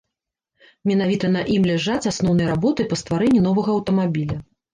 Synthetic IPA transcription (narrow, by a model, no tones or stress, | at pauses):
mʲɛn̪avʲit̪ɐnɐʔimlʲɛʐat͡sʲasnɔwnɐjɾabɔt̪ɨpɐst̪vaɾɛnʲːinɔvɐɣɐːwt̪ɐmabʲilʲɐ